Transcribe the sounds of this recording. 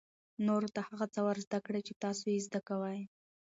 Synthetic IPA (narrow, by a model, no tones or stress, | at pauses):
noɾot̪ahaɣat͡sawaɾzd̪akɽat͡ʃet̪ɑsojezd̪akawaj